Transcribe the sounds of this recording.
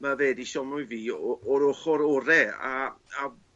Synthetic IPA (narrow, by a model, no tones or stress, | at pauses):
maveːdiʃɔnʊjviːɔɔɾoχɔɾoɾɛa̰a